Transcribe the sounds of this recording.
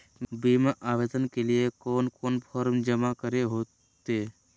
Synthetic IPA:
biːmaʔaːʋeːd̪ənkelijekoːnpʰoːnpʰɔːɾmd͡ʒəmakəɾeɦoː | t̪eː

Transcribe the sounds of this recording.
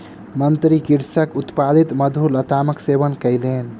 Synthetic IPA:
mənt̪ɾikiɾsəkut̪pad̪it̪məd̪ʱulət̪aməksebənkəjlen

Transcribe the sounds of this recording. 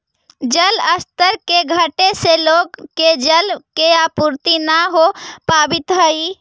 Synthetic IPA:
d͡ʒələst̪əɾkeɡʱəʈeseloɡked͡ʒəlkeapuɾt̪inaɦopabit̪ɦəi

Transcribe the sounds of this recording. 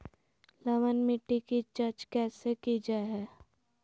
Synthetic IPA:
lɐʋənmɪʈːikit͡ʃɐɾt͡ʃkɛːsekid͡ʒaɦɛː

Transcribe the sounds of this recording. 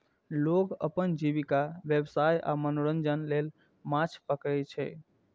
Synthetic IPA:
loɡəpənd͡ʒiβikabjebsaja̰mənoɾənd͡ʒənlel | mãt͡ʃʰpəkɛt͡ʃʰɛ̰

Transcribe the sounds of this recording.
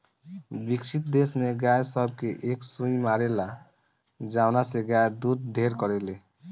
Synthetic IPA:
bikt͡ʃʰit̪̚d̪esmeɡajsəbʱkeʔeksũimaɾela | d͡ʒawnaseɡajd̪ud̪̚ɖʱeɾkɔɾele

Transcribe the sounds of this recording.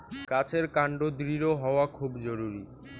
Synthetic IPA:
kat͡ɕʰeɾkaɳɖod̪ɾiɾoɦɔoakʰubd͡ʑoɾuɾi

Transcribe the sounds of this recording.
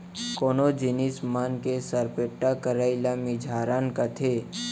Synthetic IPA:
koːnod͡ʒɪnismaːnkesəɾpeʈːakəɾaːɪlamid͡ʒʱaːɾaːnkat̪ʰeː

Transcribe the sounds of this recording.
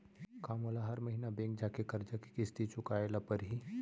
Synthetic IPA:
kaːmolaɦɐɾmɐɦinabẽːŋk̚d͡ʒaːkekɐɾd͡ʒaki̥kist̪it͡ʃʊkaːelapɐɾɦi

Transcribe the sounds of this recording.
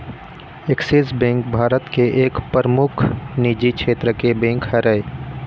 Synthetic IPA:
eksisbẽːŋkbʱaːɾət̪keʔeːkpəɾəmʊkʰniːd͡ʒikʰʃʰeːt̪ɾəkebẽːŋkhəɾəe

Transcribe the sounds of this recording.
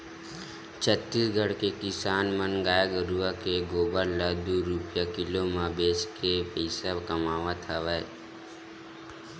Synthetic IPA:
t͡ʃʰət̪ːisɡʱəɽkekɪsaːnmənɡaːjaɡəɾuakeɡoːbəɾlaːd̪uɾupjakɪlomãbeːt͡ʃkepəɪsakəmaːʋat̪ʰaʋɛ

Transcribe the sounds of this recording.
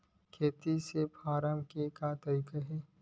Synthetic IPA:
kʰeːt̪isepʰaːɾamkekat̪ɐikəɦe

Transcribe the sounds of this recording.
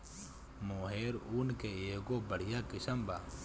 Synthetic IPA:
moːɦeːɾuːnkeeːɡobɐɽ̤ijakɪsəmbaː

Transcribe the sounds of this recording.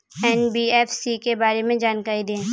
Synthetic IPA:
ɛːnbiɛːfsikebaːɾemẽd͡ʒaːnkaːɾid̪ẽː

